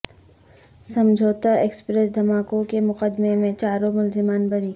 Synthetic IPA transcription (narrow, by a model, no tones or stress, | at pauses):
sɐ̃md͡ʒʱoːt̪aeːkspɾesd̪ʱɐmaːkõkemʊqəd̪memẽt͡ʃaːɾõmʊlzɪmaːnbɐɾiː